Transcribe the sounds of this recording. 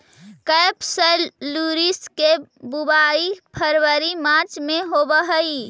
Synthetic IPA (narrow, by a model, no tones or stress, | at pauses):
kəjpsəlːuɾiskebubaipʰəɾʋəɾimat͡ʃmeɦobəɦəj